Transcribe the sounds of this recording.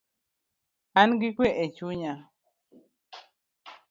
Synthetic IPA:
anɡikweʔet͡ʃuɲa

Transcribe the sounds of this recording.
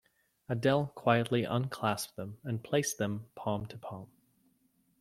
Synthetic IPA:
ɨdɛlˠkʰw̥aɪɨtˡliʔə̃nkʰl̥æsp̚ðə̃mɨ̃npʰl̥eɪsðɨ̃mpʰɑ̃mtʰəpʰɑ̃m

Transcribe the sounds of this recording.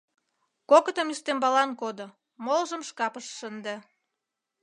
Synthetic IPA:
kokət̪ə̆myʃt̪embɑlɑnkod̪ŏ | molʒəmʃkɑpəʃːənd̪e

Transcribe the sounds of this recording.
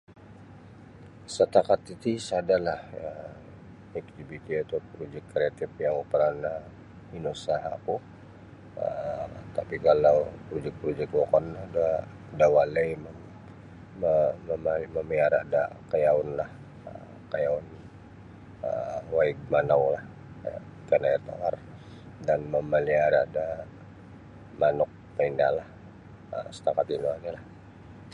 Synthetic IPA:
sət̪akat̪it̪isadalahə | ɛk̚t̪ibit̪iat̪awpɾud͡ʒɪkːɾeat̪ɪfjaŋupəɾana | inusaɦa̰pʊ | ət̪apikalawpɾud͡ʒək̚pəɾud͡ʒɛkwɔkɔnada | dawaləjmə | əməmaməmiaɾa̰dakajaʊnlah | əmkajaʊn | əwaiɡ̚manawlah | kanaɪrt̪a̰war | danməməliaɾada | manʊk̚pəinda̰lah | ə̰sə̥t̪akat̪inoanalah

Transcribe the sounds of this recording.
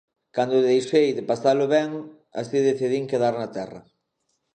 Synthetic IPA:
kand̪ʊðejʃejðɪpasalʊβɛŋ | a̰siðeθiðiŋkeðaɾnat̪ɛrɐ̰

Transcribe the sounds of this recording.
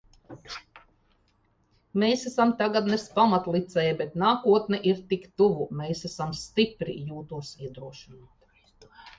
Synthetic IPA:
meːsæsamt̪aɡad̪nɛspamat̪lˠit̪sɛjbet̪naːkuɔt̪nɛʔiɾt̪ikt̪uvumeːsæsamst̪ipɾḭjuːt̪uɔsiɛd̪ɾuɔʃinuːt̪

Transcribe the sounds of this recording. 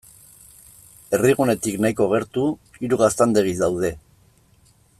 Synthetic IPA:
e̞riɣune̞t̪iknajko̞aɣ̞e̞ɾt̪u | iɾuɣast̪and̪e̞ɣ̞iðawðe̞

